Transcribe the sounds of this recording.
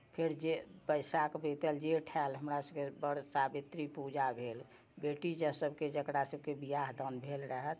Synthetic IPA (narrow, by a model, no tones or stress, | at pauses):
pʰeɾd͡ʒepəɪsakbet̪əld͡ʒeʈʰɛlɦəmɾasəbkebəɽsabit̪ɾipud͡ʒabʱel | beʈid͡ʒəsəbʱked͡ʒəkɾasəb̚kebijaɦd̪ənbʱelɾəɦət̪